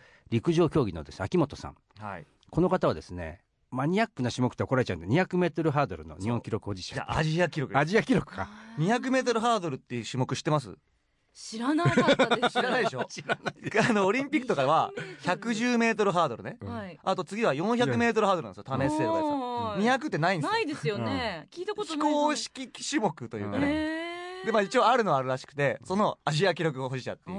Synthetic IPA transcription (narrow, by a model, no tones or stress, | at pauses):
ɾʲikɯ̟ʑo̞ːkʲo̞ːɡʲino̞̰d̪e̞sɨakʲimo̞t̪o̞sã̰ŋ | hai | ko̞no̞kat̪aβa̰d̪e̞sɨne̞̰ | maɲ̟ʲiakːɯ̟naɕimokɯ̥t̪ːeokoɾaɾe̞t͡ɕaɯ̰̃nɲiçakɯ̟me̞ːt̪o̞ɾɯ̟ɦaːd̪o̞̰ɾɯ̟no̞̰ɲiõ̞ŋkʲiɾo̞kɯ̟o̞d͡ʑi̥t͡ɕõ̥̰ã̰a̰ʑiakʲiɾo̞kɯaʑiakʲiɾo̞kɯ̥ka̰ɲ̟içak̬ɯ̟me̞ːt̪̬o̞ɾɯ̟ɦaːd̪o̞ɾɯ̟t̪ːeɯɕimo̞kɯ̟ɕi̥t̪emas̬ɨ̰ | ɕiɾanaɕɾanaid̪eɕo̞ɕaaano̞ːɾʲĩmpʲikːɯ̟̥t̪okad̪eβaçakɯ̟ʑɨːme̞ːt̪̬o̞ɾɯ̟ɦaːd̪o̞ɾɯ̟ne̞iat̪o̞t͡sɨɡʲiβajõ̞çakɯ̟me̞ːt̪oɾɯhaːd̪oɾnnd̪sjot̪ʰamessetosɲ̟ijak̬ɯ̟t̪ːenaĩnd̪id̪esɨjonekʲiːt̪aotç̪i̥koːɕi̥kʲiɕimo̞kɯ̟t̪o̞jɯ̰ːka̰ed̪e̞maːit͡ɕio̞aɾɯ̟no̞βaːɾɯ̟ɾaɕi̥kɯ̟̥t̪e̞so̞no̞aʑiak̬ʲiɾo̞k̬ɯ̟ɡoɦoʑita̰t̪ːej